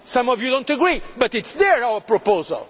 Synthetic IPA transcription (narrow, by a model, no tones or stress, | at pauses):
sʌ̃mɔvjudõʊ̃ntəɡɹibʌt̪ɨtsðəɹaʊwəpɹɔpozə̰lˠ